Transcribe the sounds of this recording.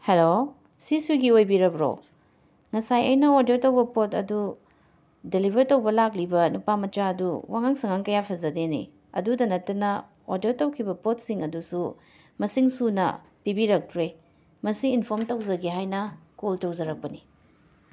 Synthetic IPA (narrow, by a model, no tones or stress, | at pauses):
helo | sisiɡiojbiɾɐbɾo̰ | ŋɐsajɐ̰jnɐodetɐwbɐpotɐ̰du | delibʱɐɾtɐwbɐlak̚libɐnupamɐt͡ʃaɐduwaŋaŋsɐŋaŋkɐjapʰɐzɐdenḭ | ɐ̰dudɐnɐtːɐnɐ | odeɾtɐwkʰibɐpot̚siŋɐdusu | mɐsiŋsunɐ̰ | pibiɾɐk̚tɾe | mɐsiːnpʰoɾmtɐwzɐɡiɦajnɐkoltowzɐɾɐk̚pɐni